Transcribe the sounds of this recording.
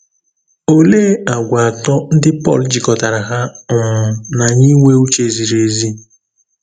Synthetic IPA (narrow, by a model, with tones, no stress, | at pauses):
o˨leː˦a˨ɡʷa˨a˨tɔ˦n̩˦dɪ˦pɔ̰˦˨ld͡ʒi˨kɔ˨ta˨ɾa˨ɦa˦ʊ˨m̩˨na˨ɲi˦ŋʷe˦u˦t͡ʃe˨zi˨ɾe˨zi˦